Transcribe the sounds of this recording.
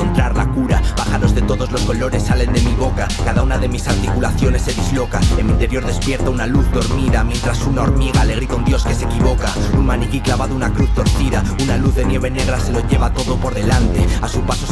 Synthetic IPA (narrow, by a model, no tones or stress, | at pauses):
ont̪ɾaɾlakuɾaβaxaɾo̞zðe̞t̪o̞ðozlo̞sko̞lo̞ɾe̞sːale̞nd̪e̞miβo̞kakaðaunaðe̞misaɾt̪ikulaθjo̞ne̞sːe̞ðizlo̞kaemĩnt̪e̞ɾjo̞ɾðe̞spje̞ɾt̪aunaluθdo̞ɾmiðamjẽ̞nt̪ɾasunao̞ɾmiɣ̞aːle̞ɣ̞ɾiðaund̪jo̞ske̞se̞kiβ̞o̞kaunmanikiklaβaðounakɾuθt̪o̞ɾθiðaunaluθðe̞nje̞β̞e̞ne̞ɣ̞ɾase̞lo̞ʝe̞β̞at̪o̞ðo̞po̞ɾðe̞lant̪e̞asupaso